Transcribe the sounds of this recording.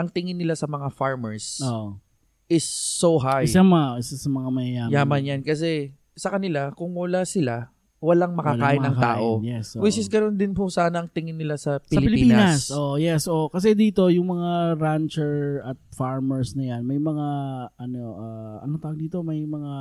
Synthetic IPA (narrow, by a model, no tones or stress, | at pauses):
ʔɐŋt̪ɪŋɪnːɪlasɐmɐŋafaɹmɛɹsoʔ | ʔɪsːoɦajsɐmʔɪsasɐmɐŋamɐjɐjaːjaːmɐnjankɐs̬ɛ | sɐkɐnɪlakʊŋwɐlasɪla | wɐlaŋmɐkɐaːʔɪnɐŋa̰ːʔʔo̞jɛsowɪt͡ʃɪsɡɐno̞nd̪ɪnpʊsaːnɐʔɐŋt̪ɪŋɪnːɪlasɐpɪsɐlɪɪlɪipiːnɐnɐsʔoʔjɛsʔoʔkɐs̬ɛd̪iːt̪o̞jʊŋmɐŋaɾant͡ʃɛɹɐt̪̚faɹmɛɹsnɐjanmɐjmɐŋaɐnoʔaɐ̰not̪aɡd̪iːt̪omɐjmɐŋa